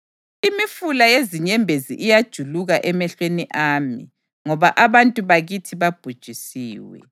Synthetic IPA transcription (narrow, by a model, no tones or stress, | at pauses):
imifulajeziɲɛmbʱezḭʔijad̥ʒ̥ʱuluɣaʔɛmɛɬweniʔaːmḭ | ŋɔβaʔaβantʼuβaɣitʰiβab̥ʱud̥ʒ̥ʱisiːwɛ̰